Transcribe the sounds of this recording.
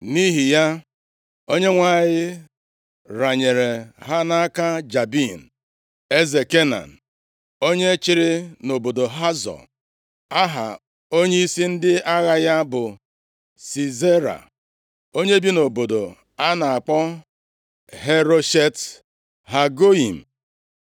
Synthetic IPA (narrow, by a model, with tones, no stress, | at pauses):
ni˦ɦi˨ja˦ | o˦ɲe˦ŋʷa˨ɣɪ˦ | ɾa˨ɲe˨ɾe˨ɦa˦na˦a˦ka˦d͡ʒa˨bi˦˨n̩˨ | e˦ze˨ke˦na̰˨n̩˨ | o˦ɲe˦t͡ʃɪ˦ɾɪ˦no˨bo˨do˨ɦa˦zɔ̰˨ | a˦ɦa̰˨ | o˦ɲe˦i˦si˦n̩˦dɪ˦a˦ɣa˨ja˦bʊ˨ | si˨ze˦ɾa̰˨ | o˦ɲe˦bi˦no˨bo˨do˨ | a˦na˨a˨k͡pɔ˦ | ɦe˦ɾo˦ʃe˦t | ɦa˨ɡo˦i˨m̩˨